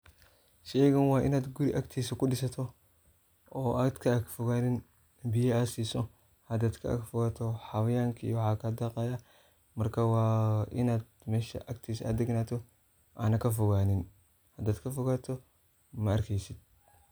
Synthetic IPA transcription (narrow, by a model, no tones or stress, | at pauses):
ʃɛːɣɐnwɑːʔɪ̰naːd̪ɡʊɾiʔɐkt̪ʰiːsɐkʊɖɪsɐt̪ʰɔ | ɔːʔad̪kʰɐkfɔɣaːnɪn | bɪjɐasiːsɔ | hɐd̪aːd̪kʰɐ̰ɐ̰ɡfɔɣaːt̪ʰɔħɑwɐjaːŋkʰɐḭjwħɑːkʰɐd̪aqɑːja | mɐrkʰaːwɑːʔɪ̰naːd̪̚mɛːʃɐ̰ʔɐkt̪ʰiːsɐd̪ɛɡnaːt̪ʰɔ | ʔa̰ːnɐkʰɐfɔɣaːnɪn | hɐd̪aːd̪kʰɐfɔɣaːt̪ʰɔ | mɐɐrkʰɛjsɪd̪̥̚